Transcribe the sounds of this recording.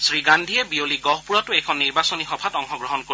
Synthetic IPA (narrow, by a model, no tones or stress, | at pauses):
sɹiɡandʱiɛbioliɡɔɦpuɹɔtʊɛjkʰɔnːiɹbasonixɔbʰʱatɔŋxɔɡɹɔɦɔnko